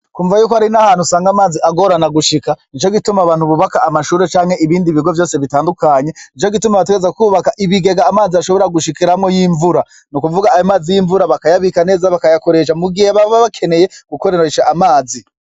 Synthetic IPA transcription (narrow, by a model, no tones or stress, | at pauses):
kuːɱvajuːkohaɾinahaːn̥usaːŋɡamaːziaɡo̞ɾanaɡuʃikanit͡ʃo̞ɡitumaβaːn̥huβuβakaːmaʃuːɾe̞t͡ʃaːŋhe̞ʔiβiːndiβiɡo̞vjo̞ːseβitaːndukaɲe̞nit͡ʃo̞ɡitumaβat̬eɡezekuːβakaʔiβiɡe̞ɡaːmaːziaʃo̞βo̞ɾaɡuʃikiɾamŋo̞jiːɱvuɾa | nukuvuɡaːjomaːzijiɱvuɾaβakajaβikane̞ːzaβakajako̞ɾe̞ʃ̬amuɡiheβaβaβakʰe̞ne̞jeɡ̥ukoɾeɾeʃaʔamaːzi